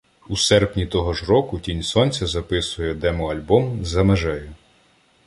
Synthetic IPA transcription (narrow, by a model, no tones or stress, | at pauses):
usɛrpnʲit̪ɔɦɔʒrɔkʊtʲinʲsɔnʲt͡sʲɐzɐpɪsʊjɛd̪ɛmɔɐlʲbɔmzɐmeʒɛjʊ